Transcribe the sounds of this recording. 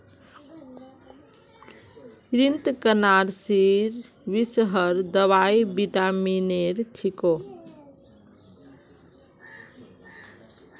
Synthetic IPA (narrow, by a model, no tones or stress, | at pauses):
ɾint̪kənaɾsiɾ | bisɦəɾd̪əβajbiʈamineɾʈʰiko